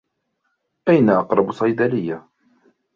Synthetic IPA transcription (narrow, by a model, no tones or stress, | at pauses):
ʔajnaʔɑqɾˤɑbsˤɑjd̪alɪjːa